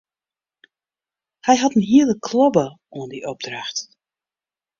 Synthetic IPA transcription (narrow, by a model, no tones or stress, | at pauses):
hɛjɦatənɦiəlˠəkʰlɔbə | uəndiʔɔb̚draxt